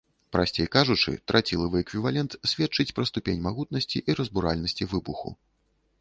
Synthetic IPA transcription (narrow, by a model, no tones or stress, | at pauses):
pɾʔasʲt͡sʲejkaʐut͡ʂɨ̰t̪ɾat͡sʲilˠɐvɨɛkvʲivalʲɛnt̪sʲvʲɛt̪t͡ʂɨt͡sʲpɾɐst̪upʲenʲmaɣut̪̚nɐsʲt͡sʲiʔiɾɐzbuɾalʲnɐsʲt͡sʲivɨbuxṵ